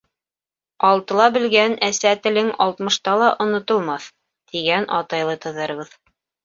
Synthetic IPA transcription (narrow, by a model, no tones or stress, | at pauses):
ɑlˠt̪ɤ̆lˠɑbɘ̆lɡænæsæt̪ɘ̆lɘŋɑlˠt̪mɤ̆ʃt̪ɑlˠɑʔŏnŏt̪ŏlˠmɑθ | t̪iɡænʔɑt̪ɑjlˠɤt̪ɤ̆ðɤɾβɤð